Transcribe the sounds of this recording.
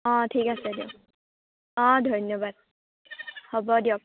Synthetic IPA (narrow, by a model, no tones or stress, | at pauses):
ɔ̃tʰikasɛdio | ɔ̃dʱɔjnːɔbad̚ | hɔbɔdiɔk